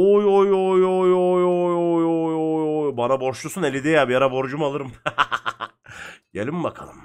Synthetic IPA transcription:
ojojojjojojojojojjbanabo̞ɾʃlˠusunelʲid̪ijabijaɾabo̞ɾd͡ʒumalˠɯɾɯm | ɟelʲimbakʰa̰lˠɯm

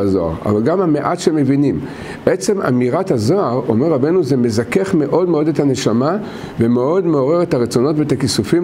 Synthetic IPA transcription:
zoa̰ʁa̰valɡamameʔatʃeme̞vinim | ʔet͡se̞ma̰miʁat̪hazoaʁo̞̰meʁabe̞nuzeme̞zakeχme̞ʔo̞dmeo̞detane̞ʃama | ve̞meo̞dme̞o̞ʁe̞ʁet̪aʁet͡so̞no̞tveetakisufim

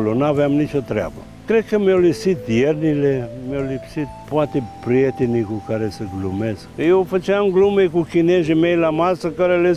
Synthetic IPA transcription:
lonavɛamniʃot̪ɾa̰ba̰ | kɾɛkamiolisid̪iɛɾnilɛmiolisi | poat̪ipɾiet̪inikukaɾɛseɡlumɛsiofat͡ʃamɡlumɛjkukinɛʒimɛlamasakaɾɛlɛ

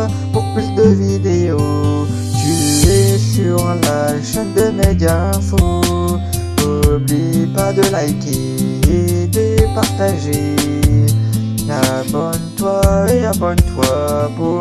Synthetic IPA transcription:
puʁpid̪əvid̪eo | t̪yɛsyʁlaʃɛnd̪əmeɡãfo | ublipad̪əlajki | ed̪epaʁt̪aʒe | la | bɔnt̪waelabɔnt̪wapu

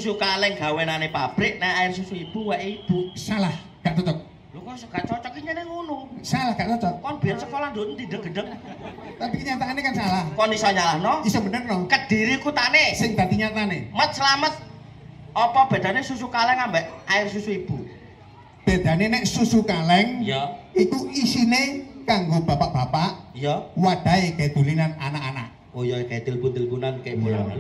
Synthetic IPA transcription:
susukalɛŋɡa̤wenanepab̥ɾɪʔ̚naaɪrsusuib̥uwɛʔib̥usalah | ɡ̥aʔd̪ət̪ək̚ | jokuɾusŋɡ̥aʔt͡ʃɔt͡ʃɔkiɲənɛŋunusalahɡ̥aʔt͡ʃɔt͡ʃɔkkɔnb̥i̤jansəkɔland̪ot̪d̪idəŋɡəɖəŋt̪apikəɲat̪aːnekansalahkɔndisɔɲalahnɔisɔbənərnɔkəd̥i̤ɾikut̪anesɪŋd̪ad̪iɲat̪anemət̪̚səlamət̪̚ | ɔpɔb̥e̤d̪̥anesusukalɛŋambɛʔaɪrsusuib̥u | b̥e̤d̪̥a̤nenɛʔsusukalɛŋjit̪uisinekaŋɡob̥apaʔb̥apaʔjɔwad̪̥a̤eɡajd̪̥ulilananakana̰ʔ̚ | ojɔɡaed̪̥əlpunt̪əlpunankabṵ

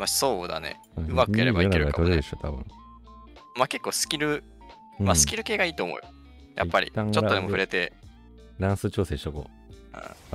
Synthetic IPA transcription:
maso̞ːd̪a̰nḛ | ɯ̟makɯɯjaɾeanaɡɾɯɾaikt̪oɾid̪esot̪ʰabɯ̟̰̃ŋ | make̞kːo̞ːsɨ̥kʲiɾɯ̟ | ɯ̃masɨ̥kʲiɾɯ̟ke̞ːɡaiːt̪o̞ːmo̞̰ɯ̟ | jʔa̰ipːaɾʲḭt̪ːãŋt͡ɕooemo̞ɸɯ̟ɾe̞t̪e̞ | nãɰ̃sɨt͡ɕo̞ːseːɕoko̰ | ɯ̰̃

